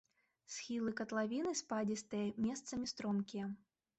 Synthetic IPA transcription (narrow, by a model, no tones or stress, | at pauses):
sʲxʲilˠɨkɐt̪lˠavʲinɨspad͡zʲist̪ɨjɐmʲɛst̪sɐmʲist̪ɾɔmkʲijɐ